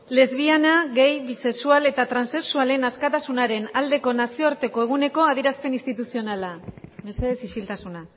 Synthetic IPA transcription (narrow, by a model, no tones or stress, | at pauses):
le̞zβianaɣe̞jβise̞ksuale̞t̪at̪ɾanse̞ksuale̞naskat̪asunaɾe̞nald̪e̞ko̞nasio̞aɾt̪e̞ko̞e̞ɣ̞une̞ko̞aðieɾaspe̞nist̪it̪usio̞nalameseðe̞sit͡ʃilt̪asuna